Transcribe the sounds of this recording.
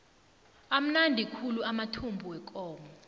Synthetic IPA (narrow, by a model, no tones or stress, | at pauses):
am̩nandʱikʰuluamatʰumbʱuwɛk̬ʼɔːmɔ